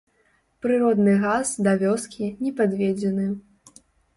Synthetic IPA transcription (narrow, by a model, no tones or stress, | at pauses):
pɾɨɾɔd̪nɨɣazd̪ɐvʲɔskʲʰinʲɛpad̪vʲed͡zʲɛnɨ